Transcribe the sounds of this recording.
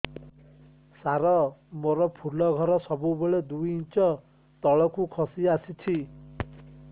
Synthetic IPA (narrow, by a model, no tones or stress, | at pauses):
saɾɔmoɾɔpʰulɔɡʱɔɾɔsɔbubeɭed̪ujint͡ʃɔ | t̪ɔɭɔkukʰɔsiasit͡ʃʰi